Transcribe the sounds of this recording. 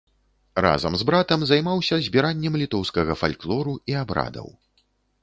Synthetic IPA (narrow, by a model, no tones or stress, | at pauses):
ra̰zɐ̰mzbɾat̪ɐmzajmawsʲɐzʲbʲiɾanʲːɛmlʲit̪ɔwskɐɣɐfa̰lʲklˠɔɾuiabɾa̰d̪ɐ̰w